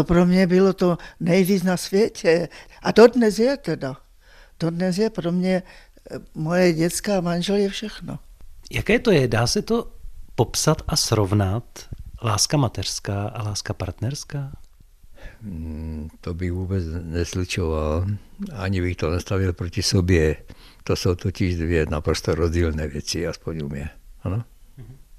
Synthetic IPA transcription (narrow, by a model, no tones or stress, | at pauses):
opɾomɲɛbɪlot̪onɛjviːt͡snasvjɛcɛʔad̪odnɛsjɛt̪ɛda | d̪̥odnɛs̬jɛpɾomɲɛ | mojɛɟɛt̪t͡skaːmanʒɛljɛfʃɛxno̰jakɛːt̪ojɛdaːsɛt̪o̞po̞psat̪asɾovnat̪laːskamat̪ɛr̥skaːʔalaːskapa̰ɾt̪nɛɾskaː | t̪ɔbiʋuːbɛd͡zɲɛzlut͡ʃɔʋalaɲibixt̪ɔnɛst̪aʋilpɾɔcisɔbjɛ | t̪ɔsowt̪ɔciʒd̪ʋɪɛnapɾɔst̪ɔɾɔzɟiːlnɛːʋɛt͡siaspɔɲṵmɪɛanɔ